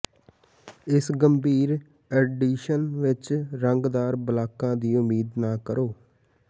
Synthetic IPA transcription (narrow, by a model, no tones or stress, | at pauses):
ɪsɡəmbiːɾ | ɛɖiːʃənʋɪt͡ʃɾəŋɡd̪aːɾbəlaːkãːd̪iːʊmiːd̪naːkəɾoː